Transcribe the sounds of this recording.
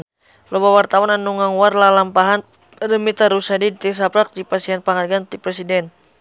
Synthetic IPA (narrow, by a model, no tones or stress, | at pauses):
lɔbawart̪awananːuŋaŋuwarlalampaɦan | rəmit̪aɾusadit̪is̬apɾak̚dipasianpaŋarɡant̪ipɾɛsidɛn